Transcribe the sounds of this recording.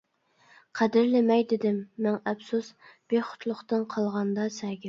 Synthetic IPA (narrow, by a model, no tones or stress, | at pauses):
qʰæd̪ɪɾlɪmɛjd̪ɪd̪ɪmːɛŋɛpsusb̥eχʊ̥t̪ʰlˠʊχt̪ɨnqʰɑlˠʁɑnd̪ɑsɛɡʲɪ